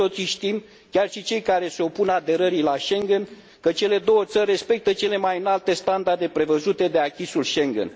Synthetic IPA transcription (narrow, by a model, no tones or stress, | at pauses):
o̞t̪siʃt̪im | kʲarʃit͡ʃe̞jkaɾe̞se̞o̞punad̪e̞ɾəɾilaʃe̞ŋɡe̞n | kət͡ʃe̞le̞d̪o̞wət̪sərʲːe̞spe̞k̚t̪ət͡ʃe̞le̞majɨnalt̪e̞st̪and̪ard̪e̞pɾe̞vəzut̪e̞d̪e̞akʲisulʃe̞ŋɡḛn